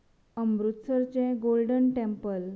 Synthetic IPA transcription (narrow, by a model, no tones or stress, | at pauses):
əmbɾut̪səɾt͡ɕẽɡolɖənʈẽmpəl